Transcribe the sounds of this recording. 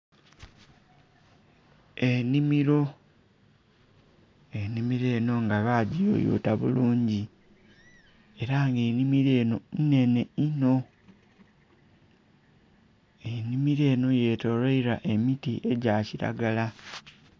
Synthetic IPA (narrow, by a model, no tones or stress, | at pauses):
enimiɾo̞ | enimiɾe̞ːno̞ŋɡaβaːɟijo̰jṵtaβṵluːɲɟi | e̞ɾaŋɡenimiɾenone̞ne̞ino̞ | enimiɾe̞ːno̞je̞ːto̞loiɾaʔe̞mitiʔe̞ɟaːciɾa̰ɡala